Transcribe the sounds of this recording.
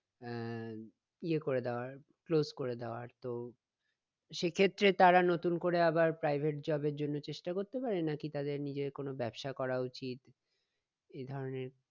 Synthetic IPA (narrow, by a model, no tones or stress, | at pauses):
iekoɾed̪ɛoaɾ | klozkoɾed̪eoaɾt̪o | ʃekʰet̪ːɾet̪aɾanot̪unkoɾeabaɾpɾajbʱeʈ̚d͡ʑɔbeɾd͡ʑonːot͡ɕeʃʈakoɾt̪epaɾenakit̪ad̪eɾnid͡ʑekonobɛbʃakɔɾaut͡ɕit̪ | ed̪ʱɔɾoneɾ